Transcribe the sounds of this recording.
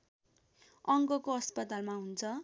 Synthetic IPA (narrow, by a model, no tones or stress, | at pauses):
ʌŋɡʌkoɦʌspʌt̪almaɦunt͡sʰʌ